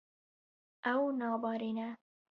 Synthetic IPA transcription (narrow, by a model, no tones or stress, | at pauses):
awnɑbɑːɾina